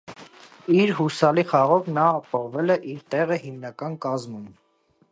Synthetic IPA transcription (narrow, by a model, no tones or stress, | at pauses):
iɾɦusɑliχɑʁɔvnɑːpɔʁvɛlɛʔiɾt̪ɛʁəhimnɑkɑnkɑzmum